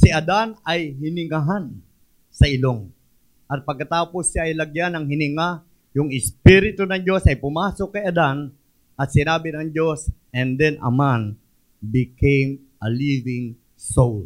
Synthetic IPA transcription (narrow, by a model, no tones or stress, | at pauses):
siʔɐd̪anɐjɦɪnɪŋaɦan | sɐʔɪloŋ | ʔɐt̪̚pɐɡ̚kɐt̪aːposjaʔɐjlɐɡjanɐŋɦɪnɪŋa | jʊŋɪspiɾɪt̪ʊnɐŋd͡ʒo̞sɐjpʊmaːsokːɐjɐd̪an | ʔɐt̪sɪnaːbɪnɐŋd͡ʒo̞sʔɛnd̪ɛnʔɐ̰man | bɪkejm | ʔɐlivɪŋ | sol